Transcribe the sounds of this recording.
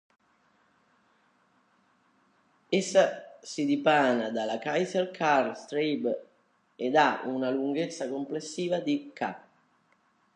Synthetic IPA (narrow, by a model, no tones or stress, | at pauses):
esːasid̪ipaːnad̪alakajzerkʰarst̪ɾib | ed̪aunaluŋɡet̪sːakomplesːiːvad̪ika̰